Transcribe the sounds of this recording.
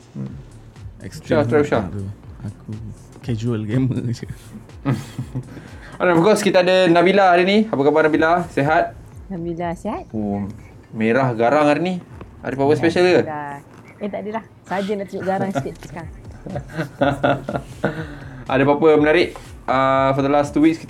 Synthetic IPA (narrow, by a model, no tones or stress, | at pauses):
ɛ̰ksast̪ɾauʃa̰uaku | kɛd͡ʒuəlɡɛmə̰d͡ʒu | ananɔfkɔskit̪aadənabilaaɾiniapəkabanabilaseɦat̪̚ | nabilaseɦat̪̚o | meɾahɡaɾaŋaɾini | a̰dəpapəspɛʃəlkə | at̪aʔdəlah | sad͡ʒənat̪uuʔɡaɾaŋspipə̥kaŋ | ʔa̰dəpapəmənaɾɪʔ | əfɔdəlast̪uwik̚skit̪